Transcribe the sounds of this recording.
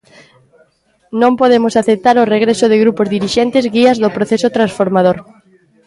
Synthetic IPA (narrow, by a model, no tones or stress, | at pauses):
nõmpoðemʊsaθep̚t̪aɾoreɣɾesʊð̞ɪɣɾupozðiɾiʃent̪ɪzɣiazðopɾoθesot̪ɾãnsfoɾmað̞oɾ